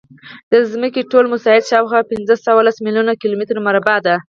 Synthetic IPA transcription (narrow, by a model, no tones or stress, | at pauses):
d̪̥əzməkeʈolmʊsɑhɪd̪ʃɑwxwapɪnzəsawalasmiljunakilomɪt̪ɾmaɾbɑd̪a